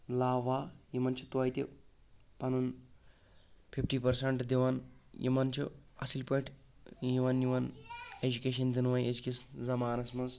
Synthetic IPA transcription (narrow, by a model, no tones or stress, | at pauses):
laːʋaːjimɐnt͡ʃʰu̥t̪uɐjt̪i | pɐnun | pʰipʰʈiːpɐɾsɐɳʈd̪iʋɐnjʔḭmɐnt͡ʃʰṵɐ̰silpɐʈʰ | jiʋɐnjiʋɐned͡ʒukeːʃ̬ɐnd̪inʋɐjed͡ʒkiszɐmaːnɐsmɐz